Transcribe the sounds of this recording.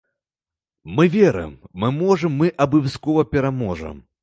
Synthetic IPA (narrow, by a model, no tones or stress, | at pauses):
mɨvʲɛɾɨ̰mːɨmɔʐɐmːɨʔɐbɨwʲskɔvɐpʲɛɾamɔʐɐ̰m